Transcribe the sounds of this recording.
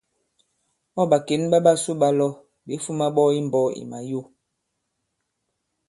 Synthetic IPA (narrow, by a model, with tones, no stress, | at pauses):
ɔ˦˨ɓa˨ke˨˦nɓa˦ɓa˦˨su˦ɓa˦lɔ˦˨ | ɓe˨˦fu˦ma˦ɓɔ˦i˦m˨bɔ˦ḭ˨ma˨jo˦˨